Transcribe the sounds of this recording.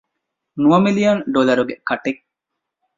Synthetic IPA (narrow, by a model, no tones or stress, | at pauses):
nuɐmilijɐnɖolɐɾuɡekɐʈek